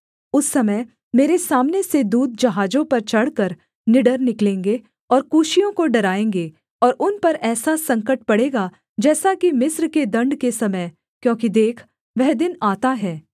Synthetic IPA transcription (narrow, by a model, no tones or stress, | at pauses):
ʊsːɐməj | meːɾesaːmnesed̪uːd̪̚d͡ʒɐɦaːd͡ʒõpɐɾt͡ʃɐɽ̤kəɾ | nɪɖəɾnɪklẽːŋɡe | ɔːɾkuːʃijõkoɖɐɾaːẽːŋɡeː | ɔːɾʊnpɐɾɛːsasɐ̃ŋkəʈ̚pɐɽeːɡa | d͡ʒɛːsakimɪsɾked̪ɐ̃ɳɖkesɐməj | kjõːkid̪eːkʰ | ʋɛɦd̪ɪnaːt̪aɦɛː